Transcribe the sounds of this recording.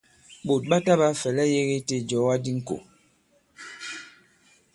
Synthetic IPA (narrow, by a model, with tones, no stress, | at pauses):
ɓo˨t̚ɓa˦ta˦ba˦fɛ˨lɛ˦je˦ɣe˦te˦˨d͡ʒɔ˨˦wa˦di˦ŋ̩˦ko̰˨